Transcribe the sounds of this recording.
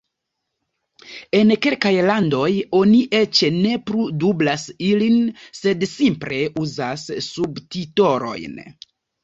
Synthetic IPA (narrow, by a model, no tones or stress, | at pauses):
e̞nke̞lkajlando̞jo̞niʔe̞t͡ʃne̞pɾudublasilinse̞dsimpɾe̞ʔuzasːubtito̞ɾo̞̰jn